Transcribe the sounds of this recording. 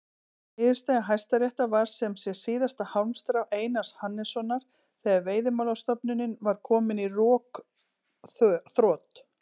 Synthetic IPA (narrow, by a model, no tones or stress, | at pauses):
ɪːðʏ̥ɾ̥st̪ajɣaɦajst̪aɾrjɛht̪avaɾ̥sɛmsjɛ̥siːðast̪ahawnst̪ɾawʔeːjnashanːɛsɔnaɾ̥ | θɛɣaɾveːjðɪmawlawst̪ɔpnʏnːɪnvaɾ̥kʰɔːmɪnirɔːk | θθɾɔːt̪